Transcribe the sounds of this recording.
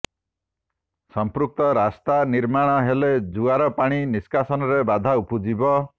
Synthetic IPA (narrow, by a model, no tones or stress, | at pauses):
sɔmpɾuk̚t̪ɔɾast̪aniɾmaɽ̃ɔɦeled͡ʒuaɾɔpaɽ̃iniskasɔnɔɾebad̪ʱaupud͡ʒibɔ